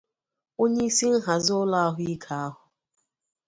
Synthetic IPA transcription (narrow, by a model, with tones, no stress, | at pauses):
o˦ɲe˦i˦si˦n̩˦ɦa˨zʊ˦la˦a˦ɦʊ˦i˦kʰa˨a˦ɦʊ˨